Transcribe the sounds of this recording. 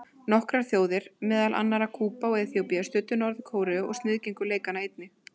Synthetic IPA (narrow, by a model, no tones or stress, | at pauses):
nɔhkɾaɾ̥θjoːwðɪɾ̥mɛːðalʔa̰nːaɾakʰuːpawejðθjowpijast̪ʏːt̪ːʏnɔɾðɪkʰoːwɾɛɔ̰ɣst̪nɪðceŋkʏleːjkanaejt̪̚nɪ